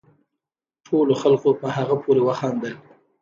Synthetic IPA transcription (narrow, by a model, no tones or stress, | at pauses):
ʈʰoloxalkopəɦaɣapʰoɾewəxɑnd̪əl